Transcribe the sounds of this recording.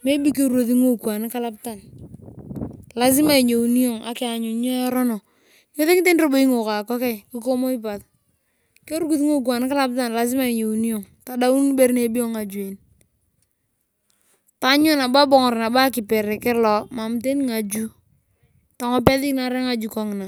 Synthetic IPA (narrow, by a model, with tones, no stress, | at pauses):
me˦bi˦k̬e˦ɾu˦o˨θi˦ŋo˦kwa˨n˦ka˦la˦pta˨n | la˦zɪ˦ma˨i˨ɲo˨u˨ni˦o˨ŋʔa̰˨kɪ˦a˨ɲʊ˨˦ɲɔ˦a˦ɾɔ˦nɔ˨ | ɲo˦ðe˦ŋi˦te˦nɾo˦bo˦i˦ŋo˨ka˨kɔ˦kɛ˦kɪ˦k̬o˦mo˦i˦p̬a˨t | ke˦ɾu˦ku˨˦θi˦ŋo˦k̬wa˨n˦ka˦la˦p̚ta˨nla˨z̬ɪ˦ma˦˨i˨ɲo˨u˨ni˦jo˨ŋ | ta˨da˦u˦n˦be˦ɾne˨bi˦o˦ŋa˨d͡ʒu˨e˨n | ta˨˦ɲʊ˦na˨ba˦bɔ˨ŋɔ˨ɾna˨ba˦kɪ˨pɛ˨ɾɛ˨kɪ˦lɔ˨ma˨mte˦n˦ŋa˨d͡ʒu˦ | ta˨ŋɔ˦pɛ˦ðɪ˦kna˨ɾɛ˦ŋa˨d͡ʒu˨kɔ˦ŋɪ˨na˨